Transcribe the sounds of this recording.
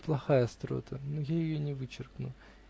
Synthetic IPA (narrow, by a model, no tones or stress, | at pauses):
plˠɐxajɐst̪ɾo̰t̪ʰənojajɪjonʲɪvɨt͡ɕɪrknʊ̰